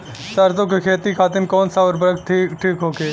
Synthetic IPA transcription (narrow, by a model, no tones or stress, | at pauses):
sɐɾt̪õːkekʰeːt̪ikʰaːt̪ɪnkɔːnsaʋɾbɾək̚ʈʰikʈʰiːkɦoːkeː